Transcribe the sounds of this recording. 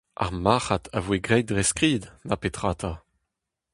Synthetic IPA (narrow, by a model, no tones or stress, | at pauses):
ʔa̰ʁmaːχat̪ʰavweɡʁɛjdʁɛskʁiːd̪napet̪χaːt̪ʰa